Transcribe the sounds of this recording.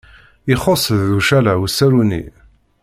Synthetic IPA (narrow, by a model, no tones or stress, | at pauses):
iχosˤðːuʃælæwsːæɾunḭ